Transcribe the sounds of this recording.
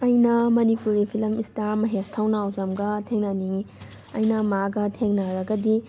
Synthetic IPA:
ɐjnɐmɐnipuɾipʰilɐmistaɾmɐɦestʰawnaːwzɐmɡɐtʰeŋnaniŋi | ɐjnɐmaɡɐtʰeŋnɐɾɐɡɐdi

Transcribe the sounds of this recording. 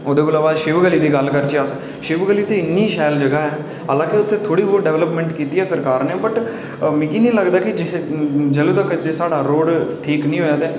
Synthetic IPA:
oːd̪eːɡʊlaːʋaːʃɪʋɡəliːd̪iːɡəlkəɾt͡ʃeːəs | ʃɪʋɡəliːt̪ẽːɪnːiːʃɛːld͡ʒəɡaːɦɛː | ɦəlãːkeʊt̪ʰːẽːt̪ʰoːɽiːʋoːɖɛːʋləpmɛ̃ːɳʈkiːt̪iːɦɛːsəɾkaːɾneːbəʈ | mɪ̃ːkiːnĩːləɡd̪aːkɪd͡ʒɪd͡ʒəlũːt̪əkd͡ʒeːsaːɖaːɾoːɖʈʰiːknĩːɦoːjaːd̪ɛː

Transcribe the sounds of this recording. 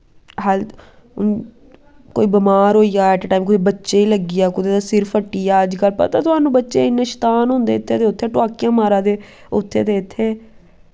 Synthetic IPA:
ɦəl | ko̰ːiːbəmaːɾɦoːijaːɛːʈʈaːiːmkʊd̪iːbətːʃeːiːləɡijaːkʊd̪eːd̪aːsɪɾfəʈːiːaːəd͡ʒkəlpə̰ɾt̪ãːt̪ʊaːnũːbətːʃeːɪnːẽːʃə̥t̪aːnɦʊ̃nd̪eːɪt̪ʰːeːd̪eːʊt̪ʰːeːʈʊaːkijãːmaːɾãːd̪eː | ʊt̪ʰːeːd̪eːɪt̪ʰːeː

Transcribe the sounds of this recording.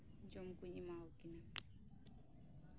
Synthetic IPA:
nd͡ʒɔm̩kuɲimaukina

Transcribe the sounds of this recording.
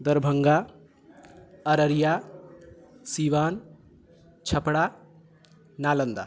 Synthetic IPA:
d̪ɐɾbʱəŋɡa | ɐɾəɾija | siʋaːn | t͡ʃʰɐpɽa | naːlənd̪a̰

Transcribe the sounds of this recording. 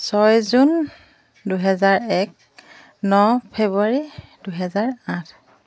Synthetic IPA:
sɔjzun | duɦɛzaɹɛk̚ | nɔpʰebuaɹiduɦɛzaɹãtʰ

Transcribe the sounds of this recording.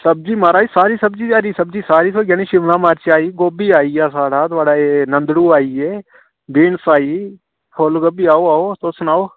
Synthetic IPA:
səb̚d͡ʒiːmaːɾaːiːsaːɾiːsəbd͡ʒiːaɾiːsəbd͡ʒiːsaːɾiːsoːɡaːniːʃɪʋnãːmaːɾt͡ʃaːiːɡoːbiːaːiːaːsaːɽaːt̪ʊaːɖaːeːnənd̪ɽuːaːiːeː | biːɳsaːiː | hoːlɡəbiːaːoːaːoːsoːsnaːoː

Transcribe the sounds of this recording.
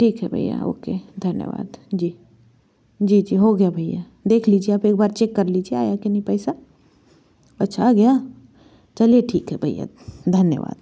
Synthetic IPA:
ʈʰiːkɦɛbʱɐ̰ija̰ɦo̰ːked̪ʱɐnjə̰ʋa̰ːd̪d͡ʒiː | d͡ʒiːd͡ʒiːɦoɡɐjabʱɐɪja̰ | d̪eːkʰliːd͡ʒieaːpeːk̚baːɾt͡ʃeːkːɐɾlid͡ʒiea̰ːjakenɐĩpɛːsa | ɐtːʃʰaɡɐja | t͡ʃɐlieʈʰiːkɦɛbʱɐija̰ | d̪ʱɐnjə̰ʋa̰ːd̪̥

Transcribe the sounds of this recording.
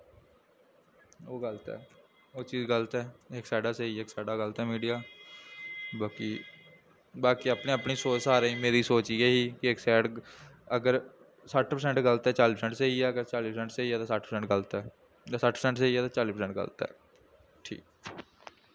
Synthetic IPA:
oːɡələt̪ɛ̰ː | oːt͡ʃiːzɡəlt̪ɛːeksɛːɖaːseieːksɛːɖaːɡəlt̪ɛːmiːɖijaː | baːkiː | baːkiːəpneːəpniːsoːt͡ʃsaːɾeĩːmeːɾiːsoːt͡ʃijeːɦiːkɪɪksɛːɽəɡəɾ | səʈʰpəɾsɛ̃ːɳʈɡələt̪ɛːt͡ʃaːliːpəsɛ̃ɳʈseːiɛːəɡəɾt͡ʃaːliːpəɾsɛ̃ɳʈseiːɛːt̪ãːsəʈʰpəɾsɛ̃ɳʈɡəlt̪ɛː | asəʈʰpəsɛ̃ɳʈseːiːɛːt̪ãːt͡ʃaːliːpəɾsɛ̃ɳʈɡə̰lt̪ɛ̰ː | ʈʰḭːk

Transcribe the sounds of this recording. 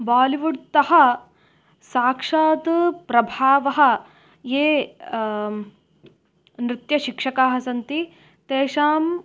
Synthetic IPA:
baːliʋuɽt̪ɐɦɐ̆ | saːkʂaːt̪pɾɐbʱaːʋɐɦɐ̆ | jeː | nɾɪt̪jɐʃikʂɐkaːɦɐsɐnt̪i | t̪eːʂaːm

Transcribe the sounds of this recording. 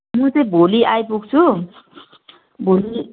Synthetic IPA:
mʌ̃t͡sʌĩbʱoliʔajpuɡ̚t͡sʰu | bʱoli

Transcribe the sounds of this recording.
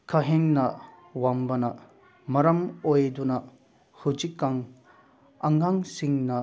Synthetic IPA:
kʰɐɦeŋnɐ | wambɐnɐ | mɐɾɐmojdunɐ | hud͡ʒikːaŋ | ɐŋaŋsiŋnɐ

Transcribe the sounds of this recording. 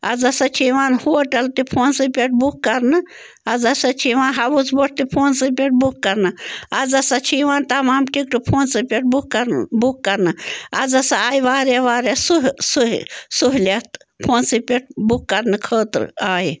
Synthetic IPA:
ɐ̰d͡zɐsɐt͡ʃʰiʋãːnhoːʈɐlt̪ipʰoːnsɨpʲeʈ̚ʰbukːɐɾnɨ | ɐd͡zɐsat͡ʃʰiʋãːnɦɐbut͡sboʈ̚ʰt̪ipʰoːnsɨp̬ʲeʈ̚bukːɐɾnɨɐd͡zɐsɐt͡ʃʰiːʋaːnt̪ɐmaːmʈikʈɨpʰoːnsɨpʲeʈ̚bukːɐɾbukːɐɾnɨɐ̰zɐsaaːjiʋaːɾjaʋaːɾjasuɦsuɦsuɦlat̪ | pʰoːnsɨpʲeʈ̚bukːɐɾnɨkʰəːt̪ɨ̰ɾ̰aːji

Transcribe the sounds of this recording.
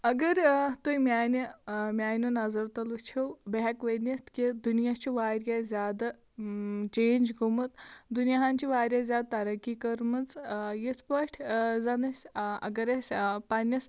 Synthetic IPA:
ɐɡɐɾt̪ujmʲaːnimʲaːjnunɐzɐɾt̪ɐlut͡ʃʰewbɐɦɐkʋɐnist̪kid̪unjat͡ʃʰiʋaːɾʲjazʲaːd̪ɐ | t͡ʃeːnʲd͡ʒɡʱumɨt̪d̪unjaɦaːnt͡ʃʰiʋaːɾʲjazʲaːd̪̚t̪ɐɾɐkikɐɾmɨt͡sjit̪ʰpɐʈʰzɐnɨsʲɐ̰ɡɐɾɐsʲpɐnʲɐs

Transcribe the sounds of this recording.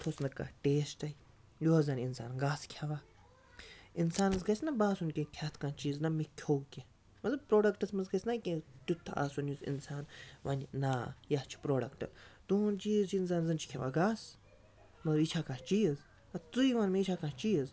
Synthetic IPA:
t̪ʰoːsnɐkːa̰ːʈeːsʈɐi | joːɐzɐnʲinsaːnɡaːskʲʰjaʋaː | insaːnɐsɡɐsnɐbaːsunʲkʲẽkʲʰaːt̪ʰkãːnt͡ʃiːznɐmikʲʰoːɡkʲe | mɐt̪lɐbpɾoːɖɐkʈɐsmɐzɡɐsʲnakʲẽt̪ut̪ʰːaʔa̰ːsunjusḭnsaːnʋɐnʲnaːjat͡ʃʰi̥pɾoːɖɐkʈɨ̰t̪unt͡ʃiːzt͡ʃʰiinsaːnzɐnt͡ʃʰi̥kʰʲaʋa̰ɡaːs | mɐt̪lɐbit͡ʃʰaːkãːt͡ʃiːz | ɐt̪uiʋaːnmeit͡ʃʰaːkãːt͡ʃiːəz

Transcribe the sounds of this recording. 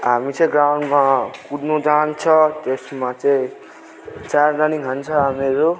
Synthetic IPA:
ɦamit͡sʌ̃ĩɡrawɳɖmakudnud͡zant͡sʰʌt̪esmat͡saĩ | t͡sard̪aniŋɦʌnt͡sʰʌɦameɾo

